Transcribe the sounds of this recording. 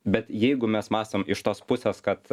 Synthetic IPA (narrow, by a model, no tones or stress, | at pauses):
bʲɛt̪jɛɪɡʊmʲɛsmɑːst̪omɪʃt̪oːspʊsʲeskɐt̪